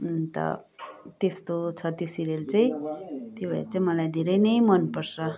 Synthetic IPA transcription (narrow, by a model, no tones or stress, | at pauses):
t̪ʌ̰t̪est̪ot͡sʰʌt̪josiɾelt͡saĩt̪jobʱʌḛɾt͡saĩmʌlajd̪ʱeɾʌjnʌjmʌnpʌrsʌ